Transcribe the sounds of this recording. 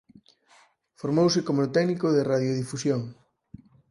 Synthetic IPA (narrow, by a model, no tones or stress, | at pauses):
foɾmowsɪkomot̪ɛɣnikoðeraðjoðifusjoŋ